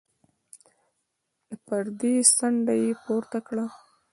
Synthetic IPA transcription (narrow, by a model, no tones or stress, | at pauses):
lapaɾd̪esaɳɖajepoɾt̪akɽa